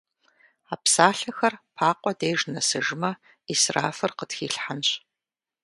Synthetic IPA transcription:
aːpsaːɬɐxɐrpʰaːqʷɔdejʒnɐsɨʒɪmɐ | isra̰ːfɨrqətxiːɬħanɕ

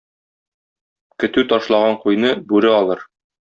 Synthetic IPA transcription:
kɵ̆t̪ʉt̪ɒʃlˠɑʁɑɴqujnɤbʉɾɘɒlˠɤɾ

